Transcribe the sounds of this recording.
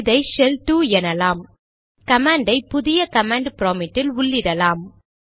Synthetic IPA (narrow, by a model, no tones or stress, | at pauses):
ðɐɪsɛltuɛnɐlaːm | kɐmaːɳɖɐɪpʊðɪjɐkɐmaːɳɖpɾoːmɪʈːɪlʊɭːɪɾɐlaːm